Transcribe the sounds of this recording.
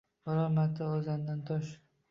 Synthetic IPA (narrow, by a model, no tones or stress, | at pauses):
bɒɾɒɾmat̪ʰaozand̪ant̪ʰɒʃ